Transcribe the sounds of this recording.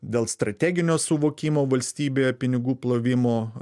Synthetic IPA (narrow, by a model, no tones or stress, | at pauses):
d̪ʲeːlˠst̪ɾɐt̪ʲæːɡʲɪnʲoːsʊʋoːkʲiːmoːʋɐlʲsʲt̪ʲiːbʲeːjɛpʲɪnʲɪɡuːplˠoːʋʲɪmoː